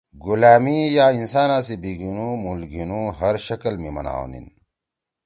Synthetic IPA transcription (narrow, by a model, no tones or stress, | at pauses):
ɡulaːmijaːinsaːnãːs̬ibiɡinumulɡinuɦɐɾʃɐkɐlmimɐ̰na̰ːo̰nḭn